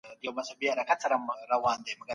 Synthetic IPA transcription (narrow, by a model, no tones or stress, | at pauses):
diomasabiaɾakʰat͡saɾamɾawand̪ɛmɡa